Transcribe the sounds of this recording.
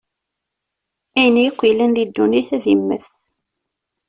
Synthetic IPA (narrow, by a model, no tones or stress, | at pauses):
æjənjəqʷːijlænlid̪ːuniθæðimːə̰θ